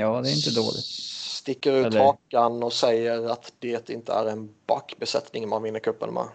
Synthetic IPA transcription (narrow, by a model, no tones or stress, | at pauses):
jɑːd̪ɛɾɪnt̪əd̪o̰ːlɪ̰t̪st̪ɪkːəɾʉhɑːkanɔsɛjəɾat̪d̪̥ɛt̪ɪnt̪ə̰æɾɛnbakːbɛsɛ̰t̪nɪŋmanvɪnːəɾkʰɵpːə̰nmɛ̰